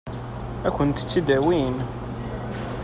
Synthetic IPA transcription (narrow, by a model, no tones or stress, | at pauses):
ækʷːənt̪t͡sːid̪æwin